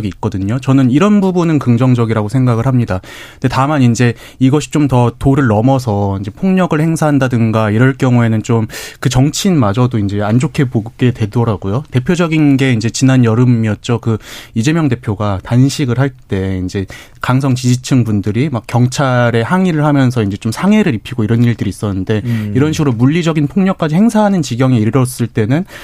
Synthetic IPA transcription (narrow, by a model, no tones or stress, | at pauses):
ɡiːk̚k͈ʌdɯɲot͡ɕʌnɯniɾʌnbubunɯnkɯŋd͡ʑʌŋd͡ʑʌɡiɾaɡosʰe̞ŋɡaɡɯɭɦamɲida | ndetamanind͡ʑe̞ | iɡʌɕʰi̥t͡ɕ͈omtʌtoɾɯɭːʌmʌs̬ʰʌind͡ʑe̞pʰoŋɲʌɡɯɭhe̞ŋsʰaɦandadɯnɡaiɾʌɭk͈jʌŋue̞nɯnt͡ɕomkɯt͡ɕʌŋt͡ɕʰinmad͡ʑʌdoind͡ʑe̞and͡ʑokʰe̞boɡe̞twe̞dʌɾaɡ̥ojote̞pʰjod͡ʑʌɡinɡe̞ind͡ʑe̞t͡ɕinanjʌɾɯmiʌt̚t͡ɕ͈okɯid͡ʑe̞mjʌŋde̞pʰjoɡatanɕʰiɡɯɭɦaɭt͈e̞ind͡ʑe̞ | kaŋsʰʌŋt͡ɕid͡ʑit͡ɕʰɯŋbundɯɾimak͈jʌŋt͡ɕʰaɾe̞haŋiɾɯɭhamjʌnsʰʌind͡ʑe̞t͡ɕomsʰaŋe̞ɾɯɾipʰiɡoiɾʌniɭdɯɾiːs͈ʌnːɯnde̞iɾʌnɕʰiɡɯɾomuʎːid͡ʑʌɡinpʰoŋɲʌk͈ad͡ʑihe̞ŋsʰaɦanɯnt͡ɕiɡjʌŋiiɾʌs͈ɯɭt͈e̞nɯn